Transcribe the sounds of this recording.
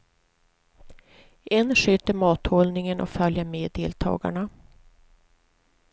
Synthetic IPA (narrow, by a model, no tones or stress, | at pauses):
ɛnʂøːt̪əɾmɑːt̪hɔlnɪŋənʔɔ̰kfœljəɾmeːd̪eːlt̪ʰɑ̰ːɡa̰ɳa